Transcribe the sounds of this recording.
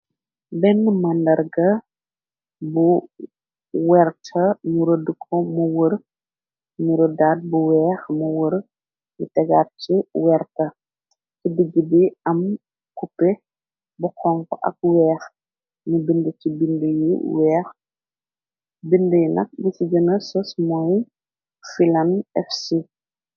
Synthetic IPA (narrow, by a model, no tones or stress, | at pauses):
bɛnːmɐndɐrɡɐ | bu | wɛrtʰɐɲuɾodəkʰɔmuwəɾ | ɲuɾɔdaːd̚buwɛːxmuwəɾ | jutɛɡaːt̚t͡ʃiwɛrtɐ | kidiɡːəbiɐm | kupɛ | buxɔŋkɔʔɐ̰k̚wɛːx | mubindət͡ʃibindəjḭwɛːx | bindəjunɐ̰k̚busiɟənɐsɔsmɔːj | filɐnɛfsi